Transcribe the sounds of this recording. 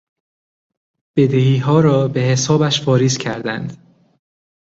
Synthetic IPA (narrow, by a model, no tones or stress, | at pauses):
b̥e̞d̪ehiːɦɒːɾɒːbe̞hesɒːbæʃfɒːɾiːscʰæɾd̪ænd̪̥